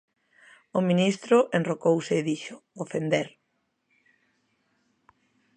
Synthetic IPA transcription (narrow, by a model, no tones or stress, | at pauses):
ʊmĩnist̪ɾʊʔenrokowseːðiʃʊofend̪eɾ